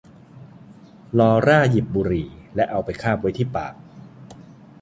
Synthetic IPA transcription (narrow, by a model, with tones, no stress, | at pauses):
lɔː˧ɾaː˥˩ji˨˩p̚buː˧ɾiː˧˩lɛ˦˥ʔa˧wpa˧jkʰaː˥˩p̚wa˦˥jt̪ʰiː˥˩pa̰ː˨˩k̚